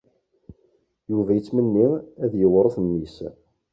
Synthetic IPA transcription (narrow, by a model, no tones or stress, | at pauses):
juvæjət͡sːmənːiæðjəwɾˤoθnːis